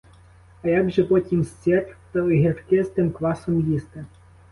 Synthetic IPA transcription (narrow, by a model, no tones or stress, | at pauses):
ɐjaɡʒɛpɔtʲimst͡sʲɛpʲt̪ɔɦɪrfkɪst̪ɪmkʋɑsɔmjist̪ɛ